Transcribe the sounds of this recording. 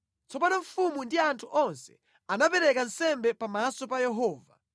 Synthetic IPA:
t͡sɔpanɔɱ̩fumundiantʰuʔɔnsɛ̥ | anapɛɾɛkansɛmbɛpamasɔpajɛɦɔːva̰

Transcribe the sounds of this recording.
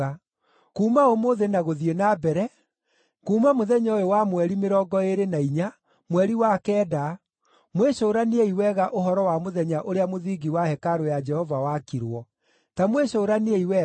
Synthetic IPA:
a | kuːmaomoðenaɣoðienabɛɾɛ | kuːmamoðɛɲaojowamwɛɾimeɾɔːɡɔeɾenaiɲa | mwɛɾiwakɛːda | mweɕoɾaneeiwɛɣaʔoɦɔɾɔwamoðɛɲaʔoɾeamoðiɡiwahɛkaɾojad͡ʒɛhɔvawakiɾwɔ | tamweɕoɾaneeiwɛ

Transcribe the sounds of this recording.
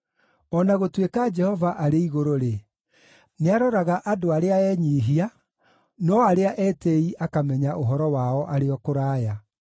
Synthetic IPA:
ɔnaɣotwekad͡ʒɛhɔvaʔaɾeiɣoɾoɾe | neaɾɔɾaɣaʔadoaɾeaɛɲiːɦia | nɔaɾeaʔɛtɛiʔakamɛɲaʔoɦɔɾɔwaɔʔaɾeɔkoɾaːja

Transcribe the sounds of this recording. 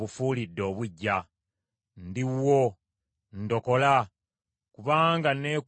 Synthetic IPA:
βufuːlidːo̞ːβuɟːa | ndiwːo | ndo̞ko̞la | kuβaːŋɡane̞ːk

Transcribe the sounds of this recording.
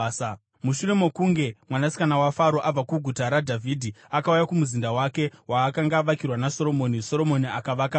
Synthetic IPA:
muʃuɾe̞mo̞kuŋɡe̞mwanasi̥kanawafaɾo̞ʔab͡vakuɡʱutaɾadʱavʱidʱiakaujakumuzindawake̞ɦwaːkaŋɡaʋakirwanaso̞ɾo̞mo̞ːniso̞ɾo̞mo̞niakaʋaka

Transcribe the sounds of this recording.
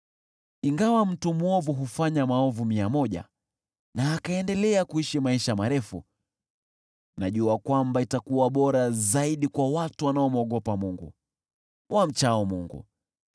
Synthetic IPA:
iŋɡawam̩tumɔvuɦufaɲamaɔvumiamɔʄa̰ | naːkaɛndɛlɛakuiʃimaiʃamaɾɛfṵ | naʄuakwambaitakuwaɓɔɾazaiɗikwawatuwanaɔmɔɠɔpamuŋɡṵ | wʔam̩t͡ʃaɔmuŋɡṵ

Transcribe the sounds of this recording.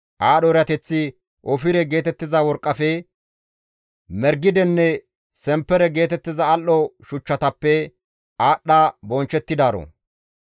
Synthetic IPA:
ʔaːɗɔɾɪɐt̪ɛt͡sːɪ | ʔɔfɪɾɛɡe̞ːt̪ɛt̪ːɪzɐwɔɾkʼːɐfɛ | mɛɾɡɪd̪ɛnːɛ | sɛmpːɛɾɛɡe̞ːt̪ɛt̪ːɪzɐːlʔːɔʃʊt͡ʃːɐt̪ɐpːɛ | aːɗːabɔnt͡ʃːɛt̪ːɪd̪aːɾo̰

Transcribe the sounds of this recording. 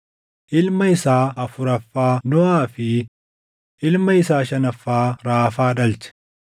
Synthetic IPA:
ʔɪlmɐɪsaːɐfʊɾɐfːaːnɔaːfɪ | ʔɪlmɐɪsaːʃɐnɐfːaːɾaːfaːᶑɐlt͡ʃɛ̥

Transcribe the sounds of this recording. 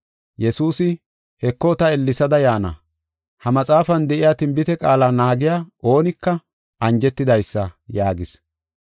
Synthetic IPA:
jɛsuːsɪ | hɛkːɔt̪ɐɛlːɪsɐd̪ɐjaːnɐ̰ | hɐmɐt͡sʼaːfɐnd̪ɛʔɪjaːt̪ɪmbɪt̪ɛkʼaːlaːnaːɡɪjaːo̞ːnɪkːɐ | ɐnd͡ʒɛt̪ːɪd̪ɐjsːɐjaːɡɪs

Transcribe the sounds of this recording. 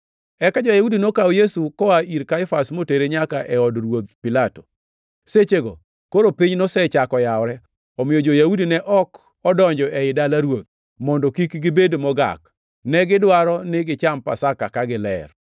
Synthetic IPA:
ɛkad͡ʒojaudinokaɔjesukɔaiɾkaɪfasmoteɾeɲakaʔɛɔdɾwot̪pilato̥ | set͡ʃeɡɔ̰ | koɾopiɲnɔsɛt͡ʃakɔjawɾɛ | ɔmɪjɔd͡ʒojaudinɛʔɔk | ɔdɔɲd͡ʒɔʔɛɪdalaɾwot̪̚ | mɔndɔkikɡɪbedmɔɡa̰k̚ | nɛɡɪdwaɾɔnɪɡɪt͡ʃampa̰sakakaɡɪlɛ̰r

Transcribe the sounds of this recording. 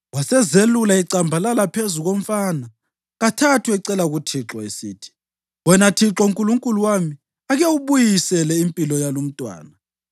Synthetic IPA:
wasɛzelulaiǀambʱalalapʰezuɣom̩fana | ɣatʰatʰwɛǀɛlaɣutʰiǁɔesiːtʰi̥ | wɛnatʰiǁɔuŋkʼuluŋkʼuluwami | aɣewuβujisɛlɛimpʼilɔjalum̩tʼwa̰ːna

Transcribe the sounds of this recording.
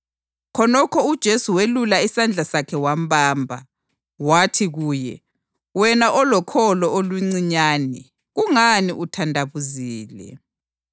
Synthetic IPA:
kʰɔnɔkʰɔud̥ʒ̥ʱesuwelulaisand͡ɮʱasakʰɛwambaːmbʱa̰ | watʰiɣuːjɛ̰ | wɛnaʔɔlɔkʰɔlɔoluŋ͡ǀiɲaːnɛ | ɣuŋaniʔutʰandʱaβuziːlɛ̰

